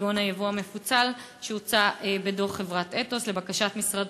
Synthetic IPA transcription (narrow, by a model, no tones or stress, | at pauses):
ɡonajavoame̞fut͡sal | ʃeut͡saʔebedoχːe̞vʁateto̞sle̞bakaʃatmisʁad